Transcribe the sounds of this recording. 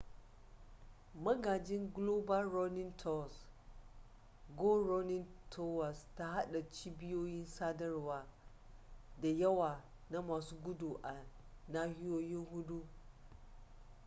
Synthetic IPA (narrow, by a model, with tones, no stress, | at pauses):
mɐ˦ɡaː˨d͡ʒɪ˦ŋɡloː˦ba˦lɾɔ˦nɪ˦ntʰɔ˦˨s | ɡo˦ɾɔ˦nɪ˦ntʰɔ˦wa˨sta˦ha˦ɗa˨t͡ʃiː˦bɪ˦joː˦jɪ˦nsaː˦dɐ˦rwaː˨˦ | da˨jɐ˦waː˨ | na˦maː˨suː˦ɡʷʊ˦du˨ʔa˨naː˦hɪ˦joː˦jɪ˦ŋhʊ˦ɗu˦